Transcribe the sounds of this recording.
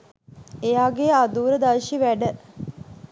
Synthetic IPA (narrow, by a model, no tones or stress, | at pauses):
ejaːɡead̪uːɾəd̪aʃiʋæɖə